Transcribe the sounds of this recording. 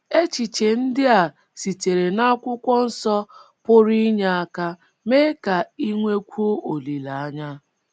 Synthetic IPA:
e˦t͡ʃi˨t͡ʃe˨n̩˦dɪ˦a˨ | si˨te˨ɾe˨na˦kʷʊ˦kʷɔ˦n̩˦sɔ˦ | pʊ˦ɾi˦ɲa˦a˦ka˦ | meː˦ka˨i˦ŋʷe˦kʷu˦o˦ʔo˨li˨la˨a˦ɲa˦

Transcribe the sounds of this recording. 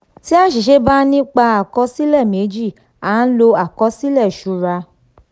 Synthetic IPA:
ti˦a˦˨ʃi˨ʃe˨˦ba˦nĩ˦k͡pa˧a˨kɔ˧˦si˦lɛ˦˨me˨˦d͡ʒi˦˨ | a˨˦lo˧a˨kɔ˧˦si˦lɛ˦˨ʃu˨˧˦ɾa˧

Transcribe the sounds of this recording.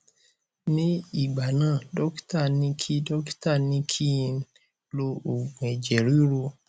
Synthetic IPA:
nĩ˦i˨ɡ͡ba˨nã˦˨dɔ˦kta˦˨nĩ˧˦kʰi˦dɔ˦kta˦˨nĩ˦kʰi˦˧n | lo˧o˨ɡe˨d͡ʒe˨ɾi˦ɾo˧

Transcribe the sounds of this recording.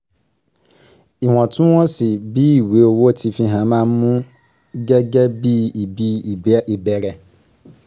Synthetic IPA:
i˨ɦɔ̃˨tũ˦wɔ̃˦si˨bi˦i˨we˨˦o˨wo˦˨tʰi˧fĩ˧ɦã˨˦mãː˦˨˦mũ˦ | ɡɛ˦ɡɛ˦bi˦i˨bi˦i˨bi˨bɛ˦ɾɛ˧

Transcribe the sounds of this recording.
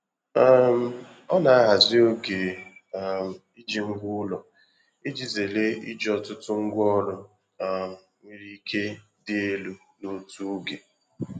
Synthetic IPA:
a˦m̩˨ | ɔ˦na˨a˦ɦa˨zɪ˦o˦ɡe˨ | m̩˨i˦d͡ʒi˦ŋ̩˦ɡʷʊ˦lɔ˨ | i˦d͡ʒi˨ze˨le˦ḭ˦d͡ʒɔ˨tʊ˦tʊ˦ŋ̩˦ɡʷɔ˦ɾʊ˦ | a˨m̩˨ŋʷi˦ɾi˦kʰe˦ | dɪ˦e˦lu˦ | no˦tu˦ɡe˨

